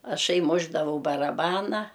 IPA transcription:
ɐˈʃɐɪ ˈmʊʒdɐʋɐʊ bɐrɐˈbɑːnɐ

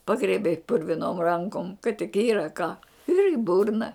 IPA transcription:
ˈpɑːɡrʲiɛbʲɛɪ pʊrʲʋʲɪˈnoːm ˈrɐŋkoːm kɐt tʲɪk ˈiːrɐ kɑː ɪr iː ˈbʊrnɐ

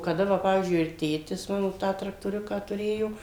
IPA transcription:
kɐˈdɐ ˈʋɐ ˈpɑːʋʲiːzʲd͡ʒʲʊɪ ɪr ˈtʲeːtʲɪs ˈmɑːnoː ˈtɑː trɐktoːˈrʲʊkɑː tʊˈrʲeːjoː

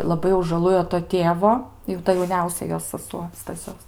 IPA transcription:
lˠɐˈbɐɪ jɛʊ ʒɐˈlˠʊjoː toː ˈtʲeːʋoː jɛʊ ˈtɐ jɛʊˈnʲɛʊsʲɛ ˈjoːs sɐˈsuɔ stɐˈsʲoːs

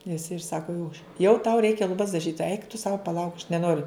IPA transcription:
jɪs ɪr ˈsɑːkoː jɛʊ jɛʊ tɐʊ ˈrʲɛɪkʲɛ lˠʊˈbɐs dɐˈʒʲiːt ɛɪk tʊ sɐʊ pɐˈlˠɐʊk ɐʃ nʲɛˈnoːrʲʊ

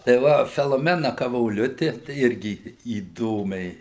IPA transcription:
tɐɪ ˈʋɐ fʲɛlˠoːˈmʲæːnɐ kɐʋoːˈlʲʊtʲɪ tɐɪ ˈɪrʲɡʲɪ iːˈdoːmʲɛɪ

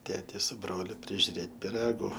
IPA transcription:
ˈtʲeːtʲɪ sʊ ˈbroːlʲʊ pʲrʲɪʒʲʊˈrʲeːt pʲɪˈrɑːɡʊ

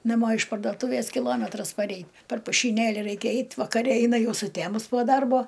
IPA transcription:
nɐˈmoː ɪʃ pɐrdoːˈtuːʋʲeːs kʲɪˈlˠoːmʲɛtrɐs pɐˈrʲɛɪ pʲɛr pʊʃʲiːˈnʲeːlʲɪ ˈrɐɪkʲɛ ˈɛɪtʲ ʋɐkɐˈrʲɛ ˈɛɪnɐ ˈjɛʊ sʊˈtʲæmʊs poː ˈdɐrboː

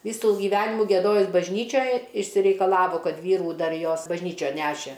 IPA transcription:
ˈʋʲiːsuː ɡʲɪˈʋʲæːnʲɪmuː ɡʲiɛˈdoːjʊs bɐʒʲˈnʲiːt͡ʃʲoːj ɪʃʲsʲɪrʲɛɪkɐˈlˠɑːʋoː ˈkɐt ˈʋʲiːruː ˈdɐr ˈjoːs bɐʒʲˈnʲiːt͡ʃʲoːn ˈnʲæːʃʲeː

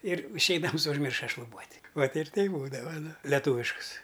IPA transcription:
ɪr ɪʃʲˈɛɪdɐms ʊʒʲˈmʲɪrʃɐ ʃlˠʊˈbuɔtʲ ˈʋɐt ɪr ˈtʲɛɪp ˈbuːdɐʋɐ ˈnʊ lʲɛˈtʊʋʲɪʃkʊs

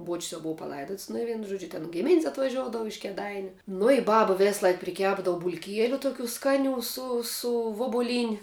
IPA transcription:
buɔt͡ʃʲsʲ jɛʊ ˈboːʋɐ pɐˈlˠɐɪdoːts nʊ ɪ ˈʋʲiɛnʊ ˈʒuɔd͡ʒʲʊ tʲɪn ˈɡʲɪmʲɪnʲsʲ ɐtʋɐˈʒʲoːʊdɐʋʊ ɪʃ kʲeːˈdɐɪnʲʊ nʊ ɪ ˈbɑːbɐ ˈʋʲeːsˌlˠɐɪk pʲrʲɪˈkʲæːbdɐʋʊ bʊlʲˈkʲiɛlʲʊ toːˈkʲuː ˈskɑːˌnʲuː ˈsʊ ˈsʊ ʋʊbʊˈlʲiːnʲɪ

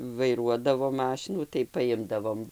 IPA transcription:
ʋɐɪˈruɔdɐʋoː ˈmɑːʃʲɪnuː tɐɪ pɐˈɪmdɐʋoːm

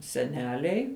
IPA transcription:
sʲɛˈnʲæːlʲɛɪ

